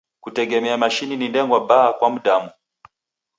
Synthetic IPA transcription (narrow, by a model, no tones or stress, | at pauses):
kutɛɡɛmɛamaʃininindɛŋɡwaɓaːkwam̩ɗamu